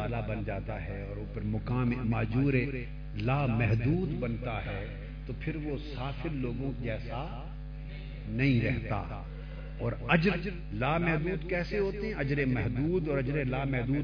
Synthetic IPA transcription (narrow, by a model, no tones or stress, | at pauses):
aːlabɐnd͡ʒaːt̪aɦɛɔːɾoːpɐɾmʊkaːmmaːd͡ʒuːɾe | laːmɛɦd̪uːd̪bɐnt̪aɦɛː | t̪opʰɪɾʋosaːfʰɪɾloːɡõkiɛːsa | nɐɦĩɾɛɦt̪a̰ | ɔːɾɐd͡ʒəɾ | laːmɛɦd̪uːd̪kɛːseɦoːt̪eɦɛ̃ɐd͡ʒɾẽmɛɦd̪uːd̪ɔːɾɐd͡ʒɾẽlaːmɛɦd̪uː